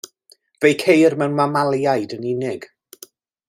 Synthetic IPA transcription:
v̥ejkʰejrmɛwnmamalˠjajdənɪnɪɡ̥

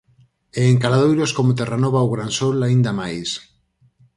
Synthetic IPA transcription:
eːŋkalað̞ojɾoskomot̪̬eranoβawɣɾansolaind̪amajs

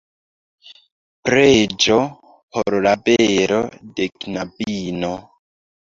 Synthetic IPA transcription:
pɾed͡ʒo | pʰoɾlabeɾo̰deknabino

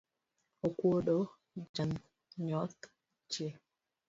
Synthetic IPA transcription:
okʷoɗɔ | d͡ʒan | ɲɔt̪ | t͡ʃe

